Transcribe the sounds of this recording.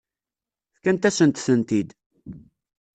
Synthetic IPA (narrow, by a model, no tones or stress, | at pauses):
θkænt̪æsənt̪θənt̪id̪